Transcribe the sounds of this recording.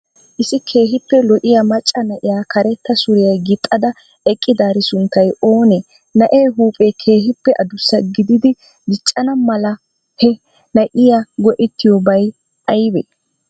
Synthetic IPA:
ʔɪsɪkʰe̞ːɦɪpːɛlɔʔɪjɐmɐt͡ʃʼːɐnɐʔɪjaːkɐɾɛt̪ːɐsʊɾɪjɐjɡɪt̪ʼːɐd̪ɐ | ɛkʼːɪd̪aːɾɪsʊnt̪ːɐjo̞ːnɛ | nɐʔeːɦuːpʼeːkʰeːɦɪpːɛʔɐd̪ʊsːɐɡɪd̪ɪd̪ɪ | ɡ̪ɪt͡ʃʼːɐnɐmɐlɐ | hɛ | nɐʔɪjaɡɔʔɪt̪ːɪjobɐj | ʔɐjbɛ̰

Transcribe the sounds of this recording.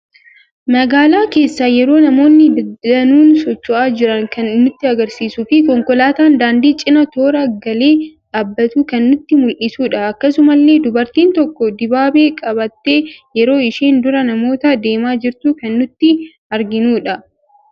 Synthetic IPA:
mɐɡaːlaːke̞ːsːaːjɛɾo̞ːnɐmo̞ːnːɪd̪ɐnuːnsɔt͡ʃːɔʔaːd͡ʒɪɾɐŋkɐnːʊt̪ːɪɐɡɐɾsiːsufɪkɔŋkɔlaːt̪aːnd̪aːnd̪iːt͡ʃʼɪnɐt̪o̞ːɾɐɡɐle̞ːᶑaːbːɐt̪uːkɐnːʊt̪ːɪmʊlʔɪsuːᶑɐɐkːɐsʊmɐlːe̞ːd̪ʊbɐɾt̪iːnt̪ɔkːɔd̪ɪbaːbe̞ːkʼɐbɐt̪ːe̞ːjɛɾo̞ːɪʃiːnd̪ʊɾɐnɐmo̞ːt̪ad̪e̞ːmaːd͡ʒɪɾt̪uːkɐnːʊt̪ːɪ | ɐɾɡɪnuːᶑɐ

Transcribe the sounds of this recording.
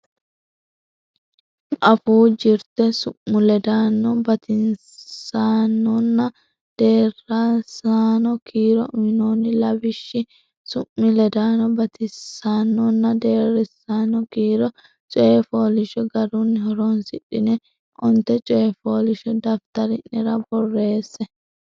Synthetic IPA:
ʔɐfuːd͡ʒɪɾt̪ɛsʊmːʊlɛd̪aːnːɔbɐt̪ɪn | aːnːɔnːɐ | d̪̥e̞ːrːasaːnɔkiːɾɔ̰ʊmɪnoːnːɪlɐbɪʃːɪ | sʊmːɪlɛd̪aːnɔbɐt̪ɪsːaːnːɔnːɐd̪e̞ːɾɛsːaːnɔkiːɾɔ | t͡ʃʼɔjɛfoːlɪʃɔɡɐɾʊnːɪhɔɾɔnsɪɗɪnɛ | ʔɔnt̪ɛt͡ʃʼɔjɛfoːlɪʃɔd̪ɐft̪ɐɾɪnːɪɾɐbɔrːe̞ːsːɛ

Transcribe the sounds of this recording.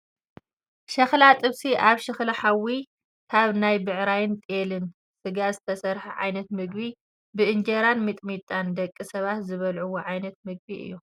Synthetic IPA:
ʃɐxlat̪ʼɨβsiʔaβʃɐxlɐħawi | kʰaβnajbɨʕɾajɪnt̪ʼelɨn | sɨɡazɨt̪ʰɐsɐɾħɐʕa̰jnɐt̪mɨɡbi | bɨʔɨnd͡ʒɐɾanmɨt̪ʼmit̪ʼand̪ɐkʼːisɐβat̪zɨβɐlʕuwoʕajnɐt̪̚mɨɡ̚biʔɨ̰jːu

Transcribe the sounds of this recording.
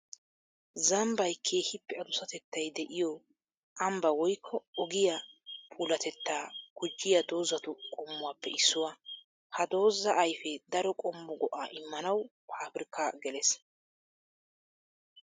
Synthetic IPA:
zɐmbɐjkʰe̞ːhɪpːɛɐd̪ʊsɐt̪ɛt̪ːɐjd̪ɛʔɪjɔ | ʔɐmbɐwɔjkʰːɔɔɡɪjɐpʰʼuːlɐt̪ɛt̪ːaːɡ̥ʊd͡ʒːɪjɐd̪o̞ːzːɐt̪ʊkʼɔmːʊwaːpːɛɪsːʊwaː | hɐd̪o̞ːzːɐʔɐjfɛd̪ɐɾɔkʼɔmːɔɡɔʔa̰ːʔɪmːɐnɐw | aːbɪɾkaɡɛles

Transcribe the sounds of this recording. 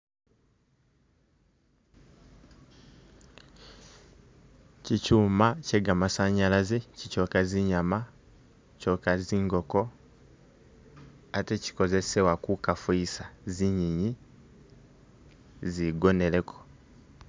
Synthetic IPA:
cicuːmaceɡamasaɲalazecico̞kaziɲama | cokaziːŋɡo̞ko̞ | ateci̥ko̞ze̞sewakukafuisaziɲiɲi | ziɡo̞nele̞kʰo̥

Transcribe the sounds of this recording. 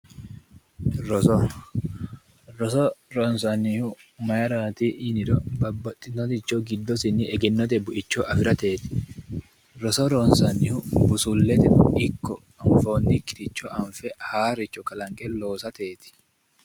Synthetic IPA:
ɾɔsɔ | ɾɔsɔɾɔnsɐnihʊmɐjɐɾaːt̪iʔɪnɪɾɔbɐbːɐt̪ʼːɪnɔt̪ɪt͡ʃːoɡɪd̪ːɔsɪniʔɛɡɛnːɔt̪ɛbʊʔɪt͡ʃːoʔɐfɪɾɐt̪e̞ːt̪ɪ̥ | ɾɔsɔɾɔnsɐnːɪhʊbʊsulːɛt̪ɛɪkːɔ | ɐɱfo̞ːnːikɪɾɪt͡ʃːɔʔɐɱfɛhaːɾɪt͡ʃːɔkɐlɐŋkʼɛlo̞ːsɐt̪e̞ːt̪ɪ̥

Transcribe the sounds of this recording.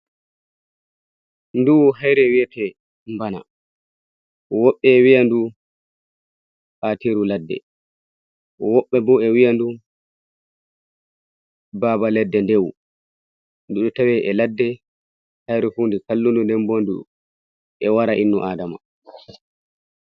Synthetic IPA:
nduɦajɾɛwiɛtɛ | mbana̰ | ʔɔwɔɓːɛwijandu | ʔatiɾuladːɛ̰ | ʔɔwɔɓːɛbɔɛwijandu | baːbalɛdːɛndew | nduɗutawɛʔɛladːɛ | hajɾɛfundikalːundundɛmbondṵ | ʔɛwaɾaʔinːuʔaːdama̰

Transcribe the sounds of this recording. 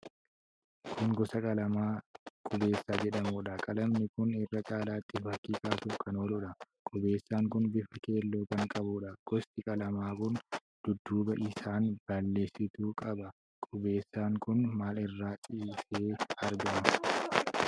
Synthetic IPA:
kʰʊŋɡɔsɐkʼɐlɐmaːkʼʊbe̞ːsːaːd͡ʒɛᶑɐmuːᶑɐkʼɐlɐmnɪkʊnɪrːɐt͡ʃʼaːlaːt̪ʼːɪfɐkːiːkaːt̪ʊfkɐnoːlʊᶑɐkʼʊbe̞ːsːaːŋkʊnbɪfɐke̞ːlːoːkɐŋkʼɐbʊᶑɐɡ̥ɔst̪ɪkʼɐlɐmaːkʊn | d̪̥ʊd̪ːuːbɐʔɪsaːnb̥ɐlːe̞ːsːɪt̪uːkʼɐbɐ | kʼʊbe̞ːsːaːŋkʊnmaːlɪrːaːt͡ʃʼiːseːɐɾɡɐmɐ

